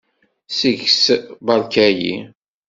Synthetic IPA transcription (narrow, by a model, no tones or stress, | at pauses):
siʝsbɑlkæjḭ